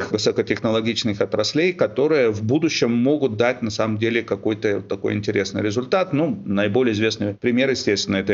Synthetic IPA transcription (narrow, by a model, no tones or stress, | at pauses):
xvɨsəkətʲɪxnəlˠɐɡʲit͡ɕnɨxɐt̪ɾɐsʲlʲejkɐt̪o̞ɾɨjəvbud̪ʊɕːɪmːo̞ɡʊt̪̚d̪at̚ʲnɐsaməmdʲelʲɪkɐko̞jt̪ə̰t̪ːɐko̞̰jɪ̰nʲtʲɪɾʲe̞snɨ̰jɾʲɪzʊlʲt̪at̪nunɐɪbo̞lʲɪjəɪzvʲe̞snɨjpɾʲɪmʲe̞ɾjɪsʲtʲest̪vʲɪnːəɛt̪ə